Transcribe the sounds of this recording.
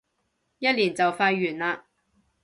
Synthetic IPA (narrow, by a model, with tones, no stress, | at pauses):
jɐ˥t̚liː˨˩nt͡sɐ˨wfaː˧jɥyː˨˩nlaː˧